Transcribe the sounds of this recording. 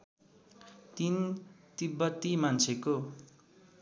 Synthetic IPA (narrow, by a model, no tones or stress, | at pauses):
t̪int̪ibːʌt̪ːimant͡sʰeko